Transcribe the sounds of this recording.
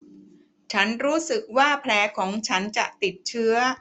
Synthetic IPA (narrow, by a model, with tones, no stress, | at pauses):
t͡ɕʰa˦˥nɾuː˦˥sɯ˨˩k̚waː˥˩pʰlɛː˦˥kʰɔː˩˦ŋt͡ɕʰa˦˥nt͡ɕa̰˨˩t̪i˨˩t̪̚t͡ɕʰɯ˦˥ɐ